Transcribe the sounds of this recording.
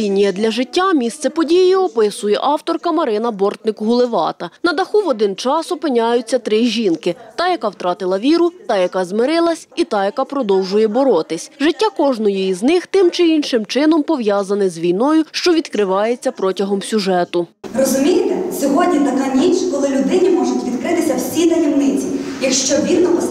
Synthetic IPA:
inʲijɛd̪lʲɐʒɪtʲːamʲist̪sɛpɔdʲijiɔpɪsʊjɛ̰ʔɑwt̪ɔrkɐmɐɾɪnɐbɔrt̪nɪkɦʊlˠɪʋɑ̰t̪ɐnɐd̪ɐxuʋɔd̪ɪnt͡ʃɑsɔpɪnʲajʊt͡sʲːɐt̪ɾɪʒʲinkɪt̪ɐjɐkɑwt̪ɾɑt̪ɪlˠɐʋʲiɾʊt̪ɑjɐkɑzmɪɾɪlˠɐsʲit̪ɑjɐkɑpɾɔd̪ɔwʒʊjɛbɔɾɔt̪ɪsʲʒɪtʲːakɔʒnɔjɔjiznɪxt̪ɪmt͡ʃɪinʃɪmt͡ʃɪnɔmpɔʋjɑzɐnɪzʋʲijnɔjʊʃt͡ʃɔʋʲid̪kɾɪʋɑjet͡sʲːɐpɾɔtʲɐɦɔmsʲʊʒɛt̪ʊrɔzʊmʲijt̪ɛsʲɔɦɔdʲnʲit̪ɐkanʲinʃkɔlˠɪlʲʊd̪ɪnʲimɔʒʊtʲʋʲid̪kɾɪt̪ɪsʲɐwsʲinɐʋʲiwnɪt͡sʲijɐkʃt͡ʃɔʋʲilnɔpɔ

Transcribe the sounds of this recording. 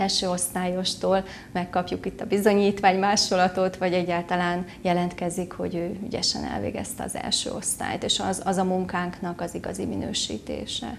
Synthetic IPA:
ɛlʃøːo̞st̪aːjo̞ʃt̪oːl | mɛkːɒpjukit̪ːɒbizo̞ɲiːt̪ʋaːɲmaːʃolɒt̪o̞t̪ʋɒɟɛɟːaːlt̪ɒlaːnjɛlɛnt̪kɛzikho̞̰ɟøːyɟɛʃɛ̰nɛ̰lvḛːɡɛ̰st̪ɛɒ̰zɛ̰lʃø̰ːo̞st̪a̰ːjt̪eːʃɒzɒzɒmuŋkaːŋknɒkɒziɡɒ̰ziminø̰ːʃḭːt̪ḛːʃɛ̰

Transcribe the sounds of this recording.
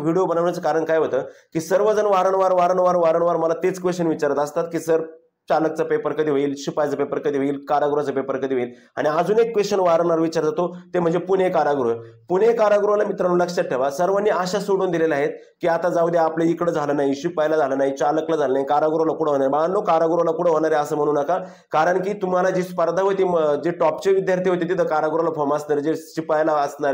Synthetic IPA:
ʋiɽijobənaʋɳat͡səkaɾəɳkajɦot̪əːkiːsəɾʋəd͡zənʋaɾəɳʋaɾʋaɾəɳʋaɾʋaɾəɳʋaɾməlat̪et͡skʋest͡ɕənʋit͡ɕaɾət̪əst̪at̪̚kiːsəɾ | t͡ɕalək̚t͡səpepəɾkəd̪ʱiːʋeiːlɕupajt͡səpepəɾkəd̪iːʋəiːlkaɾaɡɾuat͡səpepəɾkəd̪iːʋəiːl | a̰ɽ̃iəd͡zuːnekːʋest͡ɕənʋaɾəɳaɾʋit͡ɕaɾd͡zat̪ot̪em̤əɳnd͡zepuɳekaɾaɡɾupunekaɾaɡɾualamit̪ɾaɽ̃ũləkʂət̪ʈʰːeʋasəɾʋənːiːəɕasoɽuːnd̪ilelaɦet̪̚ | kiːat̪ad͡zaʋəd̪jaapleikɽəːd͡zʱalənajiɕipajlad͡zʱalənajit͡ɕaləklad͡zʱalənajikaɾaɡɾulakuɽ̤əɦoɳaɾebaanːokaɾaɡɾoalakuɽ̤əɦoɽaɾeəsəːm̤əɽ̃uːnəka | kaɾəɳkiːt̪um̤alad͡ʑespəɾd̪ʱaɦojt̪id͡ʑeʈɔpt͡ɕeʋid̪jaɾt̪ʰiɦot̪et̪it̪ʰəkaɾaɡɾualafʰɔmasnaɾd͡ʑeɕipajlaəsnaɾ

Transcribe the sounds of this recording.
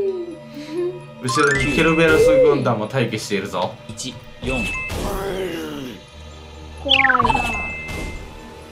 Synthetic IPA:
ɯ̟ɕiɾoɲikʰʲeɾɯbeɾɯsɨɡɯ̃nd̪ãmːot̪aikeɕi̥t̪e̞iɾɯ̟zoit͡ɕi | jõŋ | ko

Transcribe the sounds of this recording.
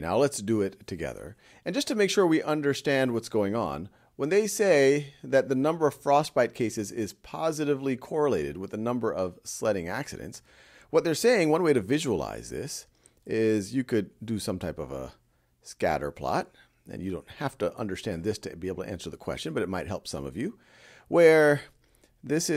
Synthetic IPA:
na̰ʊlətsd̥ɨɪtʰɨɡɛ̰ðə̰˞ | ɨ̃nd͡ʒʌstʰɨmeɪkʃʊɹwiʔʌ̃ndə˞stæ̃nd̚wʌtsɡ̥oʊɪ̃ŋə̰̃n | wə̃nðeɪseɪðɨt̪̚ðɨnʌ̃mbə˞ʌv̥fɹɔst̚b̥aɪt̚kʰeɪsɨzɪz̥pʰɑzɨɾɨvlikʰɔɹəleɪɾɨd̚wəðɨnʌ̃mbə˞ʔʌv̥slɛɾɪ̃ŋæ̰ksɨ̰ɾɨ̰̃nts | wʌt̪̚ðə˞seɪɪ̃ŋwʌ̃nweɪɾɨvɪʒəlˠa̰ɪzðɪ̰s | ɪzjɨkʰɨdɨsʌ̃mtʰaɪpʌvə̰ | skæ̰ɾə̰˞pʰl̥ɑ̰ɾ | ɨ̰̃njɨdõʊ̃nt̚hæftəʔʌ̰̃ndə˞stæ̃nðɪstʰɨbiɪbl̩ˠtʰɨʔæ̰̃nsə˞ðəkʰw̥ɛ̰st͡ʃɨ̃n̩bʌɾɨt̚maɪt̚ɦɛ̰lˠpsʌ̰̃mʌ̰vjʉ | wʔə˞ | ðɪsɨ

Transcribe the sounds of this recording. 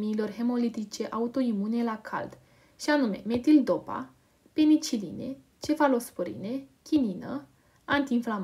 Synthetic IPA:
miːlo̞rɦe̞mo̞lit̪it͡ʃe̞ʔaut̪o̞imune̞lakʰa̰ld̪̥ | ʃianume̞̰me̞t̪ild̪o̞pa̰ | pe̞nit͡ʃilḭne̞̰ | t͡ʃe̞falo̞spoɾḭne̞kʲininə̰ | ant̪iːnflam

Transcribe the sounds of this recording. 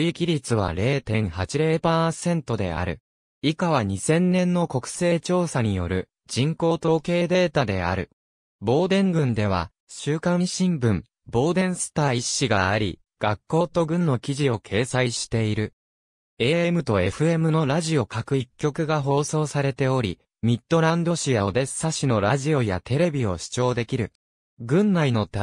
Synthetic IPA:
ikʲiɾʲit͡sɨβ̞a̰ɾe̞ːt̪ẽ̞ɰ̃hat͡ɕiɾe̞ːpaːsẽ̞nt̪o̞d̪e̞̰a̰ɾɯ̟̰ | ikaβaɲ̟isẽ̞nːẽ̞nːo̞ko̞kɯ̟̥se̞ːt͡ɕo̞ːsaɲ̟ijo̞̰ɾɯ̟̰ | d͡ʑĩŋko̞ːt̪oːke̞ːd̪e̞ːt̪ad̪e̞̰a̰ɾɯ̟̰ | bo̞ːd̪ẽ̞ŋɡɯ̟̃nd̪e̞β̞a̰ | ɕɨːkãɕĩmbɯ̟̃m | bo̞ːd̪ẽ̞ɰ̃sɨ̥t̪aːiɕːiɡa̰aɾʲḭ | ɡ̥akːo̞ːt̪o̞ɡɯ̟̃nːo̞kʲiʑio̞kʰe̞ːsaiɕi̥t̪e̞iɾɯ̟ | e̞emɯ̟t̪o̞e̞ɸɯ̟e̞mɯ̟no̞ɾaʑio̞kakɯ̟ikʲːo̞kɯ̟ɡaɦo̞ːso̞ːsaɾe̞t̪e̞o̞ɾʲi | mʲit̪ːo̞ɾãnd̪o̞ɕijaod̪e̞ssaɕino̞ɾaʑio̞jat̪e̞ɾe̞bʲio̞ɕi̥t͡ɕo̞ːd̪e̞kʲiɾɯ̟ | ɡɯ̟̃nːaino̞t̪

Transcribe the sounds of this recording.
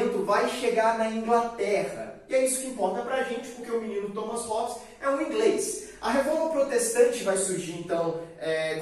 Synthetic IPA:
nt̪ʊvajʃeɡaɾnɐĩŋɡlat̪ɛʁɐ̰ɪɛisʊ̥kɪĩmpɔɾt̪ɐpɾɐʒẽnt͡ʃɪ̥pʊɾkeʊminĩnʊt̪omɐshɔps | ɛũĩɡles | ɐɦevɔɾvɐpɾot̪est̪ɐ̃t͡ʃɪvajsuɾʒiɾẽnt̪ɐ̃w̃ɛ

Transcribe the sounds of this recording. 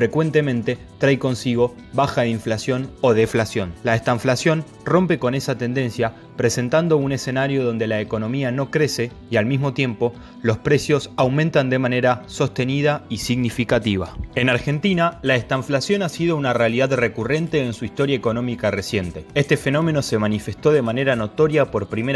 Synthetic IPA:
fɾe̞kwe̞nt̪e̞mẽnt̪e̞ | t̪ɾajko̞nsiɣo̞ | βaxaðeiɱflasjo̞no̞ðeflasjo̞nlaest̪aɱflasjo̞n | ro̞mpe̞ko̞ne̞sat̪e̞nd̪e̞nsja | pɾe̞se̞nt̪and̪o̞une̞se̞naɾjo̞ðo̞nd̪e̞laeko̞nõ̞miano̞kɾe̞se̞ | ialmizmo̞t̪je̞mpo̞ | lo̞spɾe̞sjo̞sawmẽnt̪and̪emane̞ɾaso̞st̪e̞nið̞aisiɣnifikat̪iβ̞a̰e̞naɾxe̞nt̪inalaest̪aɱflasjo̞nasið̞o̞unarealiðaðre̞kure̞nt̪e̞ːnsuist̪o̞ɾjaeko̞no̞mikare̞sje̞nt̪e̞est̪e̞fe̞no̞mẽ̞no̞se̞manife̞st̪o̞ðe̞mane̞ɾano̞t̪o̞ɾjapo̞ɾpɾime

